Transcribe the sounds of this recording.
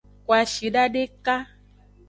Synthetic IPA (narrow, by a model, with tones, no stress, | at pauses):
ko˨a˨ʃi˨ɖa˦ɖe˦ka˦